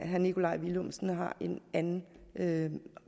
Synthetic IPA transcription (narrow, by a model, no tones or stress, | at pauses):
ɦænikʰo̝lɑ̈ɪ̰ʋilɔmsn̩ɦɑ̈ʔe̝nænn̩ø